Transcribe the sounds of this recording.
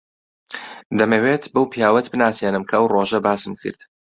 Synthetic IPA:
d̪ɐmeweːt̪bɐwpʰjaːwɐt̪bɨnaːsenɨmkʰɐɐwroʒɐbaːsɨmkʰɨ̰ɾd̪̥

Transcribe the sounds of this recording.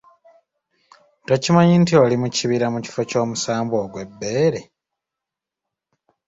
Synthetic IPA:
tocimaɲintio̞limuciβiɾamuci̥foco̞ːmusaːmbo̞ːɡwe̞bːe̞ːɾe̞

